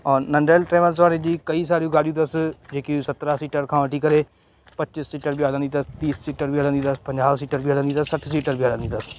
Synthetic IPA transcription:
ɔːɾnɐ̃ɳɖelʈɾeːʋəns̬ʋaːɾed͡ʑiːkɐis̬aːɾijũɡaːɽijũt̪əsd͡ʒeːkisɐt̪ɾasiːʈəɾkʰãːʋəʈikɐɾeː | pɐtːt͡ʃɪsːiːʈəɾbʱiɦɐlə̃nd̪it̪ɐst̪iːsːiːʈəɾbʱiɦɐlə̃nd̪it̪əspɐ̃ɲd͡ʒaːsiːʈəɾbʱiɦɐlə̃nd̪it̪ɐsɐʈʰsiːʈəɾbʱiɦɐlə̃nd̪it̪ɐs

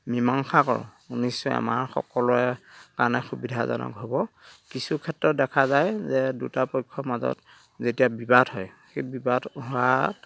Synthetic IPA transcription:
mimaŋxʰakɔɹɔ̰ | unisːɔa̰maɹxɔ̰kɔlʊɛkaɹnɛxubidʱazɔ̰nɔ̰kɦobɔkisukʰɛtɹɔt̚dɛkʰazajzɛdutapɔjkʰːɔmazɔ̰t | zetiabibatɦɔjxebibatɦɔat

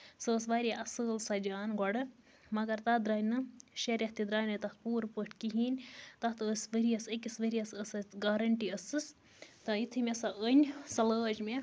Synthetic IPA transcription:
səːsʋaːɾʲiʔɐsɨːlsɐd͡ʒaːnɡɔɽɨ | mɐɡɐɾt̪ad̪ɾaːnɨʃeɾʲɐht̪id̪ɾaːnɨt̪ɐt̪̚ʰpuːɾpəʈʰkiɦiːnʲt̪ɐt̪əsʋɐɾiɐsekʲisʋəɾiɐsəsɐt͡sɡaɾɐɳʈiɐsɨs | t̪ɐit̪ʰɨmʲesɐʔənʲsɐləːd͡ʒme

